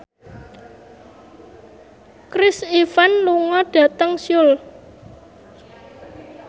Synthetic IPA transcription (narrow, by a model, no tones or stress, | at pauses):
kɾɪsifanluŋɔɖ̥ä̤t̪əŋsjʊl